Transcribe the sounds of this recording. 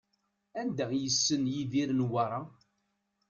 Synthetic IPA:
ænd̪æjəsːənjiðiɾnwaɾˤɑ

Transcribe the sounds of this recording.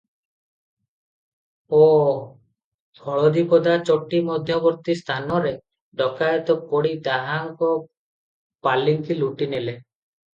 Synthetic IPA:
ɔ | d̪ʱɔɭɔd̪ipɔd̪at͡ʃɔʈimɔd̪ʱjɔbɔɾt̪ist̪ʰanɔɾe | ɖɔkajɔt̪ɔpɔɽid̪aɦaŋkɔ | paliŋkiluʈinele

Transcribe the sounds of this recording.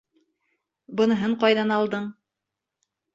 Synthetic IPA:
bɤ̆nɤ̆ɦɤɴqɑjðɑnɑlˠd̪ɤɴ

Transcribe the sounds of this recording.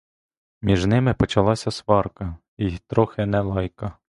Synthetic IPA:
mʲiʒnɪmɪpɔt͡ʃɐlˠɑsʲɐsʋɑrkɐ | it̪ɾɔxɪnɛlˠɑjkɐ

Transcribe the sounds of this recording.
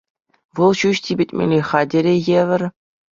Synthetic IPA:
ʋɤlˠɕuɕtʲibʲɘ̆tʲmʲḛlʲeχɑdʲeɾʲejeʋʲɘ̆rʲ

